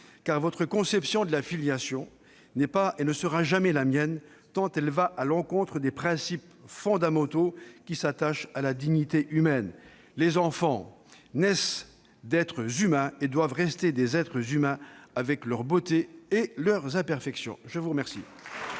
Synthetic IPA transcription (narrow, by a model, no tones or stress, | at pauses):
kaʁvɔt̪χəkɔ̃sɛpsjɔ̃d̪əlafiljasjɔ̃ | nɛpaenəsəʁaʒamɛlamjɛn | t̪ɑ̃t̪ɛlvaʔalɑ̃kɔ̃t̪χəd̪epχɛ̃sip | fɔ̃d̪amɑ̃t̪okʲisat̪aʃalad̪iɲit̪eʔymɛn | lezɑ̃fɑ̃ | nɛs | d̪ɛt̪χəzymɛ̃ed̪wavʁɛst̪ed̪ezɛt̪χəzymɛ̃avɛklœʁbot̪eːlœʁzɛ̃pɛʁfɛksjɔ̰̃ʒəvuʁəmɛʁsḭ